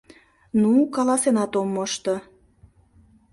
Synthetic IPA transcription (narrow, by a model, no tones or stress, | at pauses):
nukɑlɑsenɑt̪omːoʃt̪ɤ